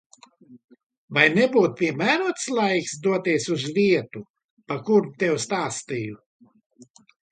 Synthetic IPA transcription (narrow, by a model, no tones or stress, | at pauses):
vajnɛbuːt̪̚pʲiɛmæːɾuɔt̪slˠajksd̪uɔt̪iɛsuzviɛt̪u | pakuɾut̪ʲɛwst̪aːst̪iju